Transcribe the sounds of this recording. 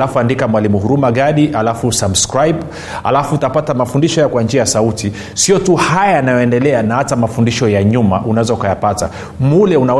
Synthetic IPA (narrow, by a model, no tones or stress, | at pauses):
lafuandikamwalimuɦuɾumaɠaɗialafusabskɾajb | ha̰lafutapatamafundiʃɔjakwand͡ʒiajasauti | siɔtuhajajanajɔɛndɛlɛanahatamafundiʃɔjaɲuma̰ʔunaɛzɔukajapata̰ | mulɛuna